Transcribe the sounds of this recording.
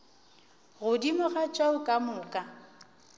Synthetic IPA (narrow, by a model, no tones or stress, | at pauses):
ɣʊdimʊɣat͡ʃʼaʊkʼamʊkʼa